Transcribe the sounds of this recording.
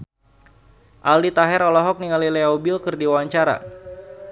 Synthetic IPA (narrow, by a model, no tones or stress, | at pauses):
ʔaldit̪aɦɛɾɔlɔɦɔk̚niŋalileaubɪlkɨrdiwaɲt͡ʃaɾa̰